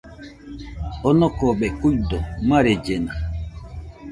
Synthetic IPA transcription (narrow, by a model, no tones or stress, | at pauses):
ɔnɔkɔɓɛkuɟdɔmaɾed͡ʒena